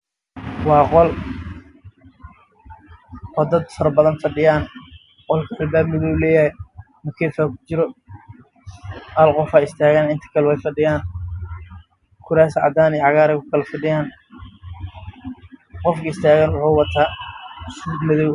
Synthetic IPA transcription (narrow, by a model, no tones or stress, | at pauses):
wɑːqɔl | wɔd̪ɐd̪fɐɾbɐðɐnfɐɖɪjaːn | qɔlkʰɐɐlbaːbmɪðɔwlɛːjɐhɛj | mɐkʰɛːfaːkʰʊ̥t͡ʃɪɾɔ | aːlqɔfaːɪst̪ʰaːɣaːnɪnt̪ʰɐ̥kʰɐlɛwɛjfɐɖɪjaːn | kʰʊɾaːsʕɑ̰d̪aːniʕɑɣaːɾɛjkʰʊkʰɐlɐfɐɖɪjaːn | qɔfkʰɐɪst̪ʰaːɣaːnwʊħuːwɑt̪ʰaːsʊud̪mɪðɔw